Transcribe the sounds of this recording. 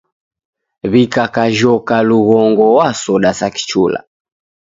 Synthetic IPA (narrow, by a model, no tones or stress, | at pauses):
βikakaʒɔkaluɣɔŋɡɔwasɔɗasaki̥t͡ʃula̰